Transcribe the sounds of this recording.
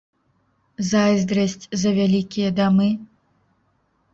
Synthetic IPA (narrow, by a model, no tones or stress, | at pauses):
zajzd̪ɾɐsʲt͡sʲzɐvʲalʲikʲijɐd̪amɨ